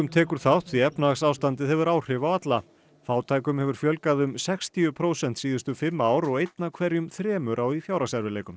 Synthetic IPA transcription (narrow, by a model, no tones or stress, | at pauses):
ʏmt̪ʰɛːkʏɾ̥θawht̪ʰθiɛpnasaːwst̪ant̪̬ɪðhɛvʏɾaːwr̥ɪvawat̪la | faːwt̪ʰaːjkʏmhɛvʏɾ̥fjœlkaðʏmsɛkst̪ʰiʏpʰɾoːwsɛnt̪siːðʏst̪ʏfɪmːaaːwɾɔɣejt̪nakʰvɛɾjʏmθɾɛːmʏɾʔawifjaːwɾasɛɾvɪleːjkʏm